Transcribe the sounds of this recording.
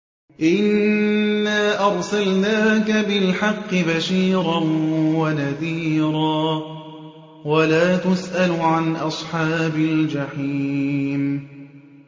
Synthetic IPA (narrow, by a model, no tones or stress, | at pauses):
ʔɪnː | aːʔɑɾˤsalnaːkabɪlħɑqːɨbaʃiːɾanwanaðiːɾaː | walaːt̪ʊsʔalʊʕanʔɑsˤħɑːbald͡ʒaħiːm